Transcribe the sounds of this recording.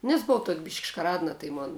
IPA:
nʲɛs bʊˈʋɐʊ tuɔkʲ bʲɪʃʲkʲ ʃkɐˈrɑːdnɐ tɐɪ ˈmoːn

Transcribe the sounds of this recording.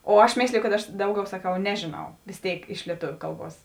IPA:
oː ˈɐʃ ˈmʲeːsʲlʲɪjʊ kɐt ˈɐʃ ˈdɐʊˌɡʲɛʊ sɐˈkɐʊ ˈnʲæːʒʲeːˌnɐʊ ʋʲeːs ˈtʲeːɪk ɪʃ lʲiɛˈtoːʋʲʊ ˈkɐlˠˌbuɔs

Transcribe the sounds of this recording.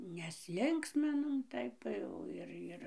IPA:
nʲɛsʲˈlʲɪŋksʲmʲɪnoːm ˈtɐɪp tɐɪ jɛʊ ɪr ˈɪr

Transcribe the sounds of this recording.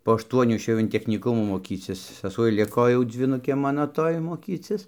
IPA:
poː ɐʃˈtuɔnʲuː ɪʃʲˈeːjɛʊ ɪn tʲɛxʲnʲiːˈkʊmuː moːˈkʲiːt͡sʲɪs sɐˈsuɔj ˈlʲɪkoː ˈjɛʊ d͡zʲʋʲiːˈnʊkʲeː ˈmɑːnoː ˈtoːj moːˈkʲiːt͡sʲɪs

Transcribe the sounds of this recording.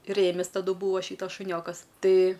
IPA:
ˈrʲeːmʲɪs tɐˈdʊ ˈbuːɐ ˈʃʲiːtɐs ʃʊˈnʲoːkɐs ˈtɐɪ

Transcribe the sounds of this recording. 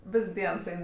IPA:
ˈʋʲɪs ˈdʲiɛns ˈɛɪn

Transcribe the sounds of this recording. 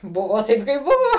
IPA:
ˈbʊʋoː ˈtɐɪp kɐɪp ˈbʊʋoː

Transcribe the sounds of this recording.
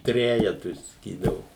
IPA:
ˈtʲrʲæːjɛtʊɪ sɐˈkʲiːdɐʋʊ

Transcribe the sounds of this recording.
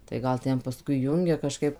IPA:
tɐɪ ˈɡɐlˠ ˈtʲɛn pɐˈskʊɪ ˈjʊŋʲɡʲɛ kɐˈʃkɐɪp

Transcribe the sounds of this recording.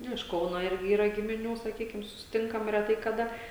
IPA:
ˈnʊ ɪʃ ˈkɐʊnoː ˈɪrʲɡʲɪ ˈiːrɐ ɡʲɪmʲɪˈnʲuː sɐˈkʲiːkʲɪm sʊsʲɪˈtʲɪŋkɐm rʲɛˈtɐɪ kɐˈdɐ

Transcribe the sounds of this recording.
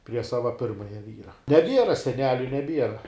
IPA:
pʲrʲiɛ ˈsɑːʋɐ ˈpʲɪrmɐjɛ ˈʋʲiːrɐ nʲɛˈbʲiɛrɐ sʲɛˈnʲæːlʲʊ nʲɛˈbʲiɛrɐ

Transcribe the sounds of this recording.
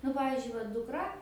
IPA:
nʊ ˈpɑːʋʲiːzʲd͡ʒʲʊɪ ʋɐ dʊkˈrɐ

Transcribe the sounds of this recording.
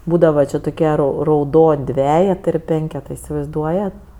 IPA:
ˈbuːdɐʋɐ ˈt͡ʃʲɪ toːˈkʲiɛ ˈrɐʊ rɐʊˈdoːnʲ ˈdʲʋʲæːjɛtɜ ɪr ˈpʲɛŋʲkʲɛtɜ ɪsʲɪʋɐɪzˈduɔjɛt

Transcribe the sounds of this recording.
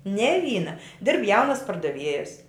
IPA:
nʲɛ ˈʋʲiːnɐ ˈdʲɪrp ˈjɛʊnɐs pɐrdɐˈʋʲiɛjɛs

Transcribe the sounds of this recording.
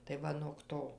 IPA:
tɐɪ ˈʋɐ noːk ˈtoː

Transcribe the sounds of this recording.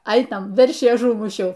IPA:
ˈɐɪnɐm ˈʋʲɛrʲʃʲiː ɐˈʒuːmʊʃʲɛʊ

